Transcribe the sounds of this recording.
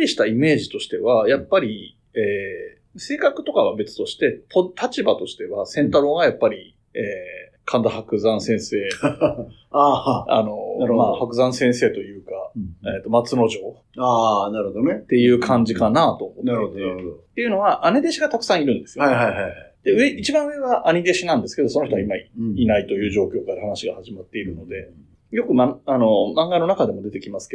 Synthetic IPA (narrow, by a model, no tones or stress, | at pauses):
iɕi̥t̪aime̞ːʑit̪o̞ɕi̥t̪e̞βajapːaɾʲi | eː | se̞ːkakɯ̟̥t̪o̞kaβabe̞t͡sɨ̥t̪o̞ɕi̥t̪e̞t̪ʰot̪ʰat͡ɕibat̪o̞ɕi̥t̪e̞βasẽ̞nt̪aɾo̞ːɡajapːaɾʲi | eː | kʰãnd̪ahakɯ̟zãɰ̃sẽ̞ɰ̃se̞ː | aːa̰no̞maːhakɯ̟zãɰ̃sẽɰ̃se̞ːt̪o̞jɯ̟ːkaet̪ːo̞mat͡sɨno̞ʑo̞ː | anaɾɯod̪onet̪e̞jɯ̟ːkʰãɲ̟d͡ʑikanaːt̪o̞ːmotnaɾeod̪ood̪ot̪ːe̞jɯ̟no̞βaʔane̞d̪e̞ɕiɡat̪akɯ̟̥sãɰ̃iɾɯ̟̃nd̪e̞sɨjoiɦajɦaad̪̥eɯ̟eit͡ɕibãɰ̃ɯ̟e̞ɡaʔaɲ̟id̪e̞ɕinãnd̪e̞sɨ̥ke̞d̪oso̞noçt̪oaimainait̪o̞jɯ̟ːʑo̞ːkʲo̞ːkaɾahanaɕiɡahaʑimat̪ːe̞iɾɯ̟no̞d̪e̞ | jo̞kɯ̟maano̞mãŋɡano̞nakad̪e̞mo̞d̪e̞t̪e̞kʲimasɨ̥ke